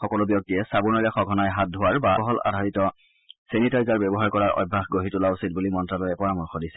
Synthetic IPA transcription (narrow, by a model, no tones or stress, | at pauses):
xɔkɔlʊbjɔk̚tiɛsabuɹnɔlaxɔɡʱɔnajɦat̚dʱʊwaɹbaɔɦɔla̰dʱaɹitɔ | senitaɹizaɹbɛbɔɦaɹkɔɹaɹʔɔ̰jbʱːaxɡoɦitulausit̚bulimɔntɹalɔjɛpɔɹamuɹxɔdisɛ̥